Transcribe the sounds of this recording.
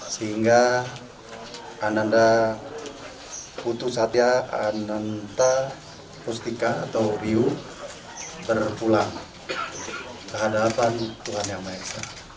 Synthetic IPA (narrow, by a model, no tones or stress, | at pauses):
səɦiŋɡa | nanda | put̪usat̪iaanant̪a | pust̪ikaːt̪awɾiu | bərpulaŋ | kəɦadapant̪uɦanjaŋmaesa